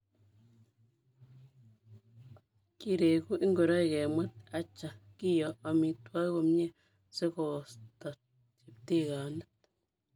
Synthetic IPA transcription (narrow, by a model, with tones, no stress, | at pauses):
ki˦ɾe˨ɡu˦ʔi˦ŋɡo˨ɾa˦jɡe˨mə˦t̪̚a˧t͡ʃa˨ki˦jo˨ʔa˧mi˧t̪wa˦ɡo˧mɲe˦ | se˦ɡo˨st̪a˨ | t͡ʃi˨p̚t̪i˦ɡa˨nḁ˦t̪